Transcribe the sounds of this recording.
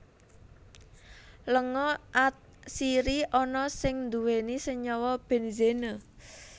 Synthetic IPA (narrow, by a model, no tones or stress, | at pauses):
ləŋɔʔat̪̚siɾiʔɔnɔsɪŋnd̪uwenisəɲɔwɔb̥e̤nzenə